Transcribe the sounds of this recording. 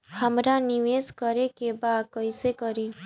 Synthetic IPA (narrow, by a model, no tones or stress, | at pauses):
həmɾaniʋeskəɾekebakəjsekɔɾi